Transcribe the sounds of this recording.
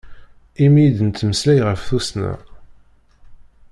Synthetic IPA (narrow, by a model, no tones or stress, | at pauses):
imijd̪ənt̪ːməslæjʁəfθusnæ̰